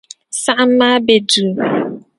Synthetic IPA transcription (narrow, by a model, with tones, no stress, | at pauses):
sa˦ʔm̩˦ma˦be˨du˨